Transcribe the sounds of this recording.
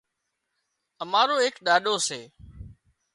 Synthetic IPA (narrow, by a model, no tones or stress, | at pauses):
əmaːɾoːɦeːkɗaːɗoːseː